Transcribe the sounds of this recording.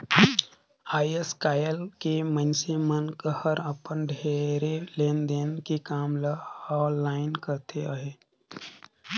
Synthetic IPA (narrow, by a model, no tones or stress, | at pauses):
aːiəskaːjəlkemə̃nsemənkəhəɾəpənɖʱeːɾeleːnd̪eːnkikaːmlaɔːlːaːɪnkəɾt̪ʰeaɦeː